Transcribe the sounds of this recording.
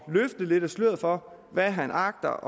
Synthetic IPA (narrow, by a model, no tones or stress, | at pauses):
løfd̥ð̩ˠle̝d̥æsløð̩̰ˠfɒ̽ | ʋæɦænʔɑ̈ɡ̥̚d̥ɐʔɒ